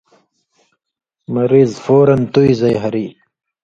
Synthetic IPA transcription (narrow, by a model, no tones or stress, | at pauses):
mɐɾiːzfoːɾɐnt̪uizɐjɦɐɾiː